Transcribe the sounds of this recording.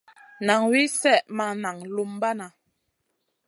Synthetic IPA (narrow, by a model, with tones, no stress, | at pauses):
na˨ŋwi˦sɛ˦˨ʔma˨na˨ŋlu˦mba˦na˨